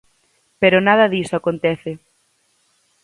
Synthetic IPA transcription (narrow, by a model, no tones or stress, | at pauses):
peɾonað̞ɐðisoakont̪ɛθɪ